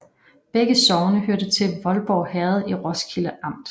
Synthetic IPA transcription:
b̥eɡ̥əsɒʊnəɦøɐ̰dət͡sʰe̝lʋɒ̽lb̥ɒʊhɛɐð̞̩ˠiʁɒ̽skʰilɐʔɑ̈m̰d̥

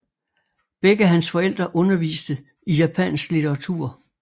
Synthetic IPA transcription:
b̥eɡ̥əæɦænsfɒ̽el̰d̥ʁɐʔɔ̽nɐʋḭːsd̥ə | ijæpʰæn̰sɡ̥lit͡sʰeʁɑ̈t͡sʰṵɐ̰

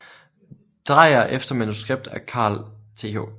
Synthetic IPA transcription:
d̥ʁɑ̈ɪɐʔefd̥ɐmænusɡ̥ʁeb̥̚d̥ækʰɑ̰̈ːlt͡sʰe̝̰ːho̰

